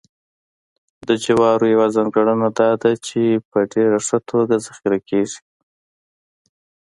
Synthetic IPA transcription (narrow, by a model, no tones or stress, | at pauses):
d̪əd͡ʒawɑɾojawazaŋɡaɽənad̪ɑd̪at͡ʃepəɖeɾaʂət̪ʰoɡazaxiɾakʰeʐi̥